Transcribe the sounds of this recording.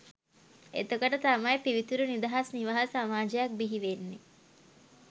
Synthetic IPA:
ḛt̪okəʈət̪amajpiʋit̪uɾunid̪ɐɦasniʋaɦasamaːd͡ʒɐjɐk̚biɦiʋenːe

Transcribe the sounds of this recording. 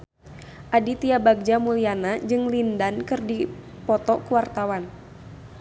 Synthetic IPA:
ʔadit̪iabaɡ̚d͡ʒamulianad͡ʒɨŋlindankɨrdi | pɔt̪ɔkuwart̪awan

